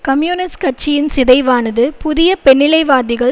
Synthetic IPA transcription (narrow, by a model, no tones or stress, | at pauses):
kɐmjuːnɪskɐʈt͡ʃɪjɪnsɪðɐɪʋaːnɐðɯpʊðɪjɐpɛɳːɪlɐɪʋaːðɪɣɐɭ